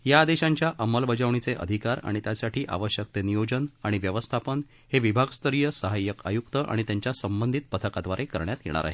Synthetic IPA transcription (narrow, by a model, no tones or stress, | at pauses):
jad̪eɕãɲt͡ɕjaʔəməlbəd͡ʑaʋɳ̃it͡seʔə̰d̪ʱikaɾa̰ɽ̃it̪jasaʈʰiːʔa̰ʋəɕjək̚t̪enijod͡ʑənaɽ̃iʋjəʋəst̪ʰapən | ɦeʋibʱaɡst̪ʰəɾijəsəɦajːəka̰jukt̪əʔa̰ɽ̃it̪jaɲt͡ɕjasəmbənd̪ʱit̪̚pət̪ʰəkad̪ʋaɾʔekəɾɳjat̪jḛɽ̃a̰ɾa̰ɦe